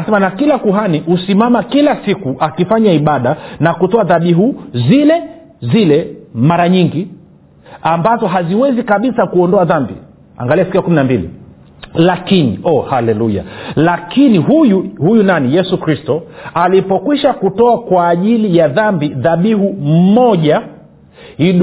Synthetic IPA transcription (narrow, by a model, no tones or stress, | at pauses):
anasɛmanakilakuɦanihusimamakilasikuʔakifaɲaiɓaɗanakutɔaðaɓiɦuzilɛ | zilɛmaɾaɲiŋɡi | ambazɔɦaziwɛzikaɓisakuɔndɔaðambḭ | a̰ŋɡaliasi̥kiakuminambilḭ | lakinḭʔɔhalɛluja̰lakiniɦujuhujunanijɛsukɾistɔalipɔkwiʃakutɔakwaːʄilijaðambiðaɓiɦumɔʄa | hiɗ